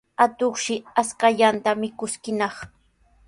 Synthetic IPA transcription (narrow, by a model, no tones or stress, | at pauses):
at̪oχʃɪaskaʎant̪amɪkʊskɪnɑχ